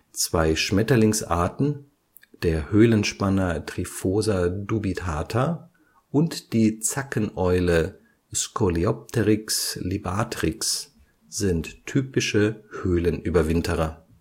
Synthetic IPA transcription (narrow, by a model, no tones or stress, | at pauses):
t͡sv̥aɪʃmɛtɐlɪŋsʔa̰ɐtn̩ | d̥eːɐhøːlənʃpanɐtʁ̥ifoːzɐdubitʰaːtʰɐ | ʔʊntd̥iːt͡sakənʔɔʏlə | skʰɔliɔp̚tʰəʁɪkslibaːtʁɪks | z̥ɪntʰːyːpɪʃəhøːlənʔyːbɐvɪntʰəʁɐ